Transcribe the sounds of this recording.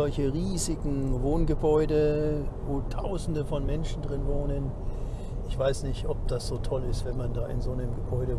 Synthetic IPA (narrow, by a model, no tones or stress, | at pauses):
ɔlçəʁiːzɪɡŋ̩voːnɡəbɔʏdəvoːtʰaʊzn̩dəfɔnmɛnʃn̩dʁɪnvoːnən | ɪçv̥aɪsnɪçtʔɔp̚d̥asz̥oːtʰɔlɪstv̥ɛnmandaːʔɪ̰nzoːnəmɡəbɔʏɾə